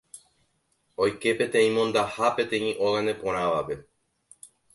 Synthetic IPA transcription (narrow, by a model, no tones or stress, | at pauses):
o̞jke̞pe̞t̪ẽ̞ĩmõ̞nd̪ahape̞t̪ẽ̞ĩʔo̞ɣand̪e̞põ̞ɾ̃ãʋape̞